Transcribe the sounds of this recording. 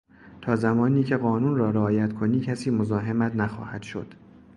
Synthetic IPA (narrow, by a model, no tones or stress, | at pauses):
t̪ʰɒːzæmɒːniːcʰe̞ɣɒːnuːnrɒːɾeɒːjæt̪kʰo̞niːcʰæsiːmozɒːɦemæt̪næxɒ̰ːhæd̪̥ʃo̞̰d̪̥